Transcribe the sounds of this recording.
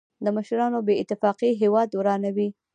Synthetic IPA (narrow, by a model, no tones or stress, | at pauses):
d̪əməʃɾɑnobeɪt̪ɪfɑqiɦewɑd̪wɾɑnawi